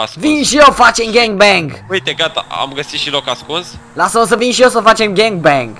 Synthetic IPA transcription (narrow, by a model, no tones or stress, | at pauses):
vinʃijefat͡ʃemɡɛ̃ŋɡ̚bɛ̃ŋɡujt̪eɡat̪a̰a̰mɡəsit̪ʃilokaskunslasəos̬əvinʃijes̬əfat͡ʃemɡɛŋɡ̚bɛ̃ŋɡ